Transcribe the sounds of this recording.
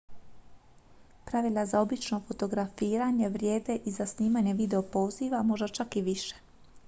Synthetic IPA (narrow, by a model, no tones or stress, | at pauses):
pɾaʋilʲazao̞bit͡ʃno̞fo̞t̪o̞ɡɾafiːɾaɲe̞ʋɾje̞ːd̪e̞ʔizasniːmaɲe̞ʋid̪eo̞po̞ːziʋamo̞ʒd̪at͡ʃakiʋiʃe̥